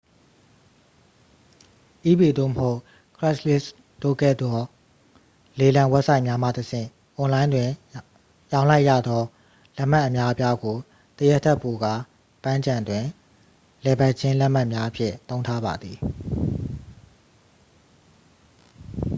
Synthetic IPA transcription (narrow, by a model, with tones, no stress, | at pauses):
ʔi˦be˨d̪o̰˦˨məho˦ʊʔ | kʰɹɛ˦slɪ˦s | d̥o̰˦˨kɛ˦˨d̪ɔ˦ | le˨lã˨wɛ˦p̚sa˦ɪʔmja˦ma̰˦˨təsʰɪ̰̃˦˨ | ʔɔ̃˨lã˦ɪ̃ndwɪ̃˨ | jã˦ʊ̃la˦ɪʔjä̰˦˨d̪ɔ˦ | lɛ˦ʔm̥a˦ʔə˨mja˦ʔə˦pja˦ɡo˨ | t̪ə˨jɛ˦tʰːɛ˦ʔpːo˨ɡa̰˦˨ | pã˦ɲd͡ʑã˨ndwɪ̃˨ | lɛ˨ba˦ʔ̚t͡ɕʰɪ̃˦lɛ˦ʔm̥a˦ʔmja˦ʔəpʰjɪ̰̃˦˨t̪õ˦ʊ̃nʰtʰa˦ba˨d̪ði˨